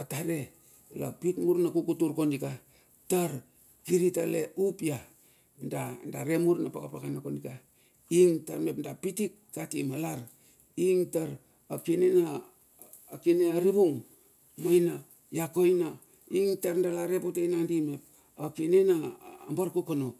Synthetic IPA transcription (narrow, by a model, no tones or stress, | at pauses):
ataɾe | la̰pitmuɾnakukutuɾkondika | taɾ | kiɾitalḛupia | ndandaɾemuɾnapakapakanakondika | iŋtaɾmepndapitikːatimalaɾ | iŋtaɾ | akinenaː | kineaɾibuŋ | mojna | jakojna | iŋtaɾndalaɾepotajnandimep̚ | akinenaːmbaɾkokano